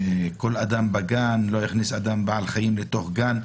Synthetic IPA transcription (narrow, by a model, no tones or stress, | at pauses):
ekolad̪ambaɡanlo̞jiχnisad̪ambaʕalχajimlet̪o̞χɡan